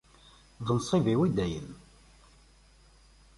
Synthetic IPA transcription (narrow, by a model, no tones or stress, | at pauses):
ðənsˤiviwid̪æjə̰n